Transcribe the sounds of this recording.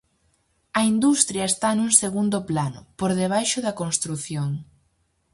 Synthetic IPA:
ɐind̪ust̪ɾjɐest̪anuŋseɣund̪ʊplanʊ̰poɾðeβ̞ajʃʊðɐkonst̪ɾuθjoŋ

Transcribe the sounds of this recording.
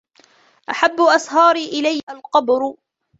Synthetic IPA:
ʔaħabːʊʔɑsɦɑːɾiːʔɪlajhalqɑbɾʊ

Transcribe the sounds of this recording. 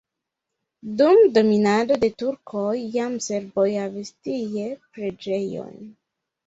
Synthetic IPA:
dumdo̞minado̞de̞tuɾkʰojːamse̞ɾbojhavistijepɾe̞d͡ʒe̞jo̞̰jn

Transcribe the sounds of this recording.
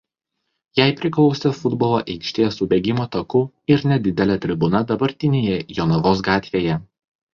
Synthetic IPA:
jæˑɪpʲɾʲɪklˠɒʊsʲɛfʊd̪boːlˠoːʔɛɪkʃʲt̪ʲeːsʊbʲeːɡʲɪmoːt̪ɐkʊ | ɪɾnʲɛd̪ʲɪd̪ʲɛlʲɛt̪ʲɾʲɪbʊnɐd̪ɐbɐɾʲt̪ʲɪnʲeːjɛjonɔʋoːs̬ɡɑːt̪ʲʋʲeːjɛ

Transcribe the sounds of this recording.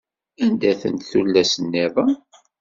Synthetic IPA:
ænd̪æθə̰nt̪θulːæsənːɪðˤə

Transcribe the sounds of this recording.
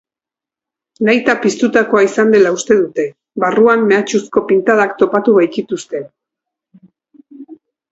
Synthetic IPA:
najt̪apist̪ut̪ako̞aisand̪e̞laust̪e̞ðut̪e̞ | βaruamme̞at͡ʃusko̞pint̪að̞akt̪o̞pat̪uβajkit̪ust̪e̞

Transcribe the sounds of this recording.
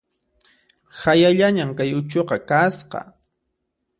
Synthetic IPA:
hajaʎaɲamkajʊt͡ʃoqɑkasqɑ̰

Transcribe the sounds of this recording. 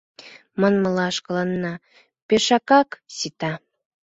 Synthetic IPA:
mənməlɑʃkɤ̆lɑnːɑ | peʃɑkɑksit̪ɑ

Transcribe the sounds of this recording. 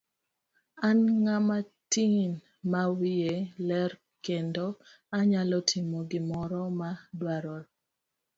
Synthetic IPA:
anŋamatin | mawielɛr | kendo | aɲalɔtʰimoɡɪmɔɾɔmadwaɾɔl

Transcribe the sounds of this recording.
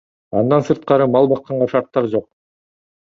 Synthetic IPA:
ɑnd̪ɑnsɯɾt̪̚qɑɾɯmɑlˠbɑqːɑɴʁɑʃɑɾt̪ːɑɾd͡ʒo̞q̚

